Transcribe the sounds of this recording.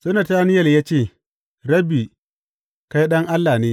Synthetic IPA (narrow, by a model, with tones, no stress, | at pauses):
sɐ˦nɐ˨taː˦nɪ˦jɐ˨ljaː˦t͡ʃeː˦˨ | ɽɐ˦bi˨ | ka˦jɗɐ˦ŋʔa˦lːa˨neː˦